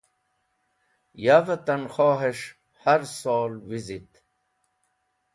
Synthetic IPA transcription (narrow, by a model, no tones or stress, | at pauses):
javət̪anxoːɦeʂ | haɾsoːlwizit̪